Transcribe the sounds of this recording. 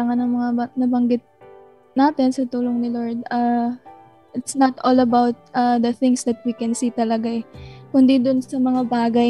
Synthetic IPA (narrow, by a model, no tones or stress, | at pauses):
aŋɐnɐŋmɐŋabɐnɐbɐŋɡɪt̪̚ | naːt̪ɛnsɐt̪uːloŋnɪloɹd̪̚a | ʔɪt̪snɐt̪ʔolɐbawt̪̚ʔɐd̪ɐθɪŋsd̪ɐt̪̚wikɛnsiːt̪ɐlɐɡakʊnd̪id̪ʊnsɐmɐŋabaːɡɐj